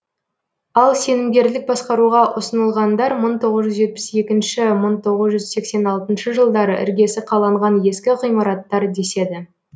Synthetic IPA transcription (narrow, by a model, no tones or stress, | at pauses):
ɑlˠse̞nɪmɡʲe̞ɾlɪk̚bɑsqɑɾuʁɑʔʊsənəlˠʁɑnd̪ɑɾməɴt̪ʰo̞ʁəzʒʏzʒe̞t̪̚pɪ̥se̞kʲɪnʃɪməɴt̪ʰo̞ʁəzʒʏzse̞kse̞nɑlˠt̪ənʃəʒəlˠd̪ɑɾə̰ʔɪ̰ɾɡʲe̞sɪqʰɑlˠɑɴʁɑnje̞skʲɪqʰijmɑɾɑt̪ːɑɾd̪e̞se̞d̪ɪ